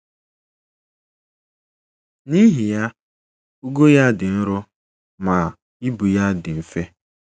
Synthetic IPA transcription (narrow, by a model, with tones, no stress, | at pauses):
ni˦ɦi˨ja˦ | u˦ɡo˦ja˦dɪ˨n̩˦ɾʊ˦ | ma˨ | i˦bu˨ja˦dɪ˨m̩˨fe˦